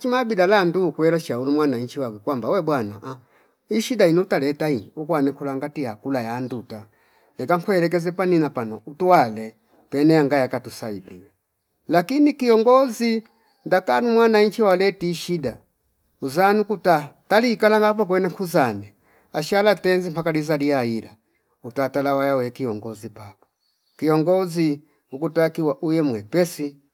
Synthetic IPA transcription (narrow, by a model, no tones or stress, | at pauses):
at͡ʃimabidalanduukwɛlaʃaulumwanaɲt͡ʃiwakɛkwambawɛbwanaʔa | iʃidainiutalɛtainukwanɛkulaŋɡatijakulajanduta | lɛkaŋkwɛɛlɛk̬ɛzɛpaninapanɔ̰utuwalɛ | pɛnɛjaŋɡajakatusaḭbiɛ | lakinikiɔŋɡɔzi | ndakanumwanaɲt͡ʃiwalɛtiːʃida | uzanukutataliːkalaŋɡap̬ɔk̬wɛnɛŋkuzanɛ | aʃalatɛnzimpakalizaliaila̰ | utatalawajawɛkijɔŋɡɔzipapɔ̥ | kijɔŋɡɔzi | ukutakiwaʔujɛmwɛpɛsi